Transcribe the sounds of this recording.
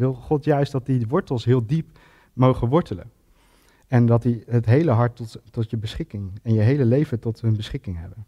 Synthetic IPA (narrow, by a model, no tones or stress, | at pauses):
ʋɪlˠχɔtjœɥsdɑt̚diʋɔɹtəlˠsɦɪːlˠdip | mowχənʋɔɹtələ̰ | ɛndɑtdiɦətɦejləɦɑɹttːɔtjəbəsχɪkɪŋɛnjəɦejləlejvətɔtɦɵnbəsχɪkɪŋɦɛ̰bən